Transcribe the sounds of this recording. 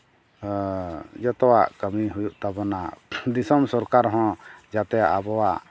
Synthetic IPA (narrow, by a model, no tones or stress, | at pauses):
d͡ʒɔt̪ɔwaʔkəmiɦujuʔt̪abɔnad̪isɔmsɔɾkaɾɦɔ̃d͡ʒat̪ɛaʔabɔwaʔ